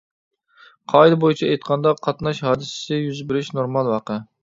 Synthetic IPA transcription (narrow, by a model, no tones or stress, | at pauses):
qʰɑid̪ɨbojit͡ʃʰɛejt̪̚qʰɑnd̪ɑqʰɑt̪nɑʃhɑːd̪ɨsɪ̥sɪjyzbɪɾɪʃnoɾmɑlˠwɑqə